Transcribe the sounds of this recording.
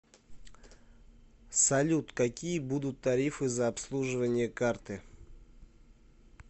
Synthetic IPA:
sɐlʲut̪kɐkʲijəbud̪ʊt̪ːɐɾʲifɨzɐːpslˠuʐɨvənʲɪjəkart̪ɨ

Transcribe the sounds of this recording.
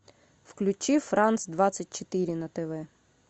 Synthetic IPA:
wklʲut͡ʃiwfɾɑnsd̪ʋɑt͡sʲːɐt̚ʲt͡ʃot̪ɪɾʲinɐt̪eʋɛ

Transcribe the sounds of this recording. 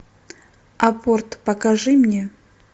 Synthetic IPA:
aport̪pɐkaʐɨmnʲe

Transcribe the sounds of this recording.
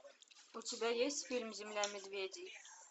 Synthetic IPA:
ut̪ʲibʲæjesʲt̪ʲfʲilʲmzʲimlʲæmʲɘ̆d̪vʲed̪ʲij

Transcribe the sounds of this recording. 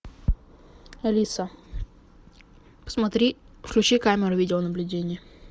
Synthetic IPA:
ɐlʲisə | pə̥smɐt̪ɾʲi | fklʲʊt͡ɕikamʲɪɾʊvʲidʲɪlˠənəblʲʉdʲenʲɪjə

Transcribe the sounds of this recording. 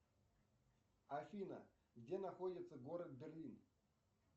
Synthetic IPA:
ɐfʲinə̰ | ɡdʲenɐxodʲɪt̪səɡoɾət̪̚bʲɪrlʲin

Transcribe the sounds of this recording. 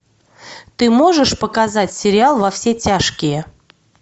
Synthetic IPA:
t̪ɨmo̞ʐɨʂpəkɐzatʲsʲɪɾʲɪalˠvɐfsʲetʲaʂkʲɪjə

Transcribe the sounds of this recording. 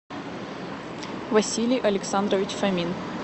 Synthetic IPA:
vɐsʲilʲijʔɐlʲɪksand̪ɾəvʲɪt͡ɕfɐmʲin

